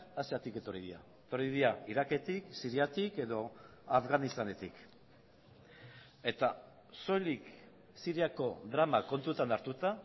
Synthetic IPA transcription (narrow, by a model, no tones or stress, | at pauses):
aseat̪ike̞t̪o̞ɾiðia̰et̪o̞ɾiðiaiɾake̞t̪iksiɾiat̪ike̞ðo̞afɣanist̪ane̞t̪ik | e̞t̪a | so̞jlik | siɾiako̞ðɾamako̞nt̪ut̪anaɾt̪ut̪a